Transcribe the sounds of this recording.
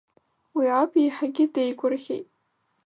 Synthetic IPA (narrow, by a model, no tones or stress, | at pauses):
wiʕapʰejħaɡʲɪdejkʷʰʼʊrχʲḛjtʼ